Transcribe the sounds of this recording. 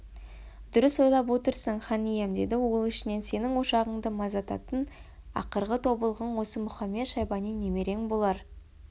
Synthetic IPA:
d̪̥ʊɾʏswo̞jlˠɑp̬wo̞t̪əɾsəɴχɑnijemd̪e̞d̪ɪwo̞lˠɪʃɪne̞nse̞nɪŋwo̞ʃɑʁəɴd̪əmɑzɑt̪ɑ̰t̪ən | ɑ̰qəɾʁət̪ʰo̞bəlˠʁəɴwo̞səmʊχɑmːe̞t̪ʃɑjbɑnijne̞me̞ɾe̞ŋbo̞lˠɑɾ

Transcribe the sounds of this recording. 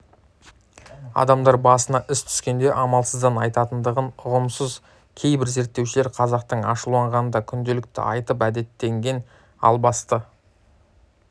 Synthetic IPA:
ɑ̰d̪ɑmd̪ɑɾbɑsənɑʔɪst̪ʰʏ̥skʲe̞nd̪e̞ʔɑmɑlˠsəzd̪ɑnɑjt̪ɑt̪ənd̪əʁənʊʁəmsəz | kʲʰe̞jbɪɾze̞ɾt̪ːewʃɪleɾqʰɑzɑq̚t̪əɴɑ̰ʃəlˠɑɴʁɑnənd̪ɑkʲʰʏnd̪elɪk̚t̪ɪ̰ɑ̰jt̪əp̬æd̪e̞t̪ːe̞ŋɡʲe̞n | ɑ̰lˠbɑst̪ə

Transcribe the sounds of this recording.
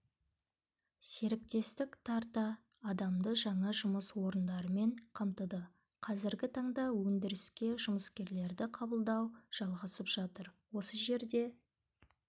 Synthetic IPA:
se̞ɾɪk̚t̪e̞st̪ɪkt̪ʰɑɾt̪ɑː | d̪ɑmd̪əʒɑɴɑʒʊməswo̞ɾənd̪ɑɾəme̞ɴqʰɑmt̪əd̪ə | qʰɑzɪɾɡʲɪt̪ʰɑɴd̪ɑwɵnd̪ɪɾɪskʲe̞ʒʊməskʲe̞ɾle̞ɾd̪ɪqʰɑbəlˠd̪ɑwʒ̥ɑlˠʁɑsəpʒ̥ɑt̪əɾwo̞səʒe̞ɾd̪e̞

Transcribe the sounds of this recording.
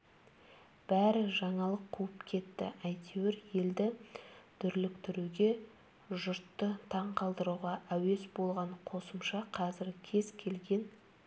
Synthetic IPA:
b̥æɾɪʒɑɴɑlˠəqʰːuəpkʲʰe̞t̪ːɪ̰ʔæjt̪ʰewɪɾje̞ld̪ɪt̪ʰʏɾlɪk̚t̪ʰʏɾuɡʲe̞ | ʒʊɾt̪ːət̪ʰɑɴqʰɑlˠd̪əɾuʁɑʔæwe̞sbo̞lˠʁɑɴqʰo̞səmʃɑqʰɑzɪɾkʲʰe̞z̥kʲʰe̞lɡʲe̞n

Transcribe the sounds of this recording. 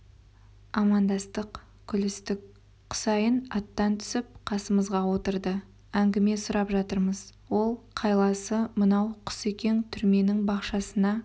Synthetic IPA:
ɑmɑnd̪ɑst̪əq | kʲʰʏlɪst̪ɪk | qʰʊ̥sɑjənɑt̪ːɑnt̪ʰʏ̥sɪp̚qʰɑsəməzʁɑwo̞t̪əɾd̪ə | æŋɡʲɪme̞sʊɾɑpʒɑt̪əɾməzwo̞lˠqʰɑjlˠɑsəmənɑwqʰʊ̥se̞kʲe̞nt̪ʰʏɾme̞nɪŋbɑqʃɑsənɑ

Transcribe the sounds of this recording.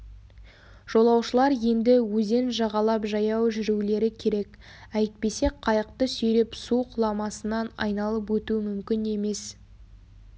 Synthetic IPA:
ʒ̥o̞lˠɑwʃəlˠɑɾje̞nd̪ɪwɵze̞nʒɑʁɑlˠɑpʒɑjɑwʒʏɾule̞ɾɪkʲʰe̞ɾe̞k | æjt̪̚pe̞se̞qʰɑjəq̚t̪əsɵjɾe̞psuqʰʊlˠɑmɑsənɑnɑ̰jnɑlˠəp̬wɵt̪uɪmʏmkʲɪne̞me̞s

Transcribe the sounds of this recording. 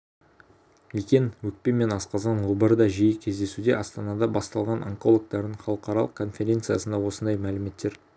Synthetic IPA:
ekʲe̞nwɵk̚pe̞nme̞nɑsqɑzɑnwobəɾd̪ɑʒijɪkʲʰe̞zd̪e̞sud̪e̞ʔɑst̪ɑnɑd̪ɑbɑst̪ɑlˠʁɑnʔa̰ŋko̞lˠok̚t̪ɑɾd̪əɴχɑlˠəqɑɾɑlˠəq̚kʰo̞nfʲe̞ɾʲe̞nt̪sɨjɑsənd̪ɑwo̞sənd̪ɑjmælɪme̞t̪ːe̞ɾ

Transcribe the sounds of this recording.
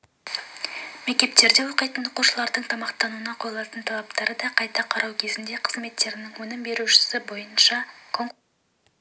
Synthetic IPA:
me̞k̚ʲt̪e̞p̚t̪e̞ɾd̪e̞wo̞qəjt̪ənoquʃəlˠɑɾd̪əɴt̪ʰɑmɑqt̪ɑnuənɑqʰo̞jəlˠɑt̪ənt̪ʰɑlˠɑp̚t̪ɑɾəd̪ɑqʰɑjt̪ɑqʰɑɾɑwkʲʰe̞zɪnd̪e̞qʰə̥zme̞t̪ːe̞ɾɪnɪŋwɵnɪmbe̞ɾuʃɪ̥sɪbo̞jənʃɑkʰoŋ

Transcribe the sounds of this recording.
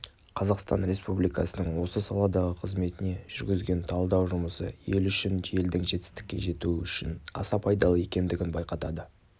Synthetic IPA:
qʰɑzɑqst̪ɑ̰nɾe̞spublijkɑsənəɴwo̞səsɑlˠɑd̪ɑʁəqʰəzme̞t̪ɪne̞ʒ̥ʏɾɡʲɪzɡʲe̞nt̪ʰɑlˠd̪ɑwʒʊməsə̰je̞lʏʃɪne̞ld̪ɪŋʒe̞t̪ɪ̥st̪ɪ̥kʲːe̞̰ʒe̞t̪uʏʃɪnɑ̰sɑpʰɑjd̪ɑlˠəje̞kʲe̞nd̪ɪɡʲɪnbɑjqɑt̪ɑd̪ə

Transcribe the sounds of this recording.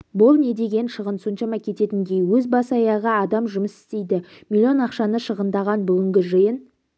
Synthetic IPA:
bʊlˠne̞d̪e̞ɡʲe̞nʃəʁənso̞nʃɑmɑkʲʰe̞t̪e̞t̪ɪŋɡʲejwɵzbɑsɑjɑʁəɑd̪ɑmʒʊməsɪ̥st̪e̞jd̪ɪ | mʲilʲːio̞nɑqʃɑnəʃəʁənd̪ɑʁɑnbʏɡʲɪŋɡʲɪʒəjən

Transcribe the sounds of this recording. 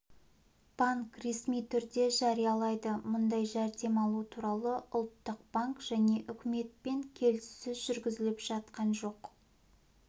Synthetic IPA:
b̥aŋkre̞smijt̪ʰʏɾd̪e̞ʒɑɾijɑlˠɑjd̪əmʊnd̪ɑjʒæɾd̪e̞mɑlˠut̪ʰuɾɑlˠəʔʊlˠt̪ːəqb̥aŋkʒ̥æne̞ʔʏkʲɪme̞t̪̚pe̞ŋkʲʰe̞lsɪzʒʏɾɡʲɪzɪlɪpʒ̥ɑt̪qɑnʒo̞q

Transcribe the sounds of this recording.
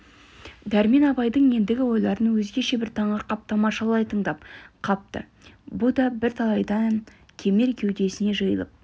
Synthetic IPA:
d̪æɾme̞nɑpɑjd̪əɴje̞nd̪ɪɡʲɪwo̞jlˠɑɾənwɵzɡʲe̞ʃe̞bɪɾt̪ʰɑɴʁɑqʰɑp̚t̪ɑmɑʃəlˠɑjt̪ʰəɴd̪ɑpqʰɑp̚t̪ə̰ | bʊd̪ɑbɪɾt̪ʰɑlˠɑjd̪ɑ | kʲʰe̞me̞ɾkʲʰe̞wd̪e̞sɪne̞ʒəjəlˠə̰p̚

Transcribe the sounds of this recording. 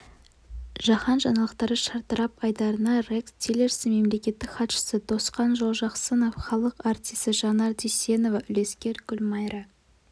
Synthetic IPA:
ʒ̥ɑχɑnʒɑnɑlˠəqt̪ɑɾəʃɑɾt̪əɾɑpɑjd̪ɑɾənɑrekst̪ʰʲilʲe̞ɾsme̞mle̞kʲe̞t̪ːɪkχɑt̪ʃə̥səd̪o̞sqɑnʒolˠʒɑqsəno̞fχɑlˠəqɑɾt̪ʲijst̪əʒɑnɑɾd̪ise̞no̞vɑʔʏle̞skʲe̞ɾɡʲʏlʲmɑjɾɑ

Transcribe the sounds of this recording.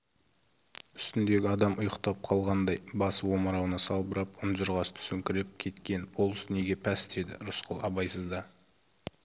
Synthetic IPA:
ʏ̥st̪ɪnd̪e̞ɡʲɪɑd̪ɑmʊjəqt̪ɑp̚qʰɑlˠʁɑnd̪ɑjbɑsəwo̞məɾɑwnɑsɑlˠbəɾɑpʊmʒʊɾʁɑst̪ʰʏ̥sɪŋkʲʰɪɾɪp̚kʲʰe̞t̪kʲe̞nbʰolˠʏsne̞ɡʲe̞pʰæsd̪e̞d̪ɪ̰ɾʊsqʰəlˠɑbɑjsəzd̪ɑ

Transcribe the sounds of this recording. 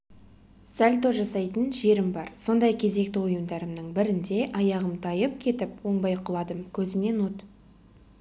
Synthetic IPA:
sælʲt̪oʒɑsɑjt̪ənʒe̞ɾɪmbɑɾso̞nd̪ɑjkʲʰe̞ze̞k̚t̪ɪʊjəmd̪ɑɾəmnəɴbɪɾɪnd̪e̞ʔɑjɑʁəmt̪ʰɑjəp̚kʲʰe̞t̪ɪpwo̞ɴbɑjqʰʊlˠɑd̪əmkʲʰɵzɪme̞nwot̪

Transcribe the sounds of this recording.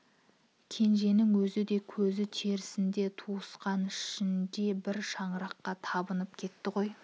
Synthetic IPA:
kʲʰe̞nʒe̞nɪŋwɵzɪd̪e̞kʲʰɵzɪt̪ʰe̞ɾɪsɪnd̪e̞t̪ʰuəsqɑnɪʃɪnd̪e̞bɪɾʃɑɴəɾɑqːɑt̪ʰɑbənəp̚kʲʰe̞t̪ːɪʁo̞j

